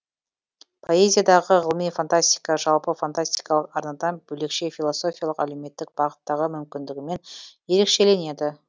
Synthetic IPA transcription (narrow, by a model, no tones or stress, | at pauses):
pʰo̞e̞zʲijad̪ɑʁəʁəlˠmijfant̪asʲt̪ʲi̥jkɑʒɑlˠpəfant̪asʲt̪ijkɑlˠəqɑɾnɑd̪ɑnbɵle̞kʃe̞fʲilˠoso̞fʲijalˠəqæle̞wme̞t̪ːɪk̚b̥ɑʁət̪ːɑʁəmʏmkʲɪnd̪ɪɡʲɪme̞nje̞ɾe̞kʃe̞le̞ne̞d̪ɪ